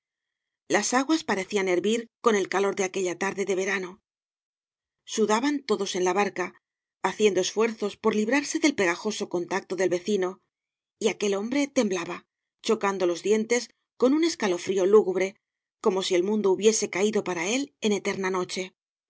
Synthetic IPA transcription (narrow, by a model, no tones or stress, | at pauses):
lasaɣwaspaɾe̞θiane̞ɾβiɾko̞ne̞lkalo̞ɾðe̞ake̞ʎat̪aɾðe̞ðe̞β̞e̞ɾano̞ | suðaβant̪o̞ðo̞se̞nlaβaɾkaː | θje̞nd̪o̞e̞sfwe̞ɾθo̞spo̞ɾliβ̞ɾaɾse̞ðe̞lpe̞ɣaxo̞so̞ko̞nt̪ak̚t̪o̞ðe̞lβe̞θino̞ | iake̞lo̞mbɾe̞t̪e̞mblaβa | t͡ʃo̞kand̪o̞lo̞zðje̞nt̪e̞s | ko̞nune̞skalo̞fɾio̞luɣuβɾe̞ | ko̞mo̞sie̞lmũnd̪ouβje̞se̞kaiðo̞paɾae̞le̞ne̞t̪e̞ɾnano̞t͡ʃe̞